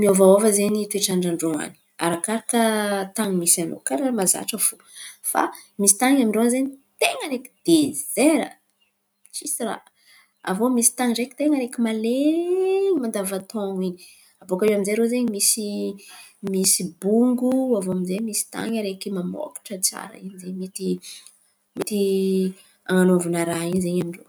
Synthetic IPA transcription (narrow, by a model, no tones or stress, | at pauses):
miovaovəzenit̪eʈ͡ʂaɳɖ͡ʐaɳɖ͡ʐoa̰ni̥a̰ɾakaɾakət̪aŋimisano̰kaɾamaza̰ʈ͡ʂəfu | fa̰misi̥t̪aŋamiɳɖ͡ʐoanzeɲit̪eŋəɾeki̥d̪̥ezeɾə̰ | t͡ʃisira̰ | a̰vomisi̥t̪aŋɖ͡ʐeki̥t̪eŋəɾekimale | mand̪avat̪oŋiɲi | avokaiaminzeɾozeɲimisi | misibuŋɡuavoaminzemisi̥t̪a̰ŋəɾekimamo̰ki̥ʈ͡ʂət͡sa̰ɾə̰iɲizeɲmit̪i | mit̪i | aŋanovunaɾaɦinizeɲamiɳɖ͡ʐo̰